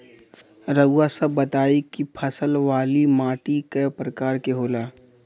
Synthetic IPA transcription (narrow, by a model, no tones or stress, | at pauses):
ɾəɡwasɐbːɐt̪aːikipʰɐsəlʋaːlimãːʈikepɾəkaːɾkeɦoːlaː